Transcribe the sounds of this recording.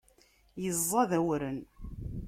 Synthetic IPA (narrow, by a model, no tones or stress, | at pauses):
jəzˤːɑðæwɾən